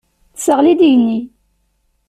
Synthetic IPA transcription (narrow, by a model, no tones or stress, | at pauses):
θsəʁlid̪ijənːi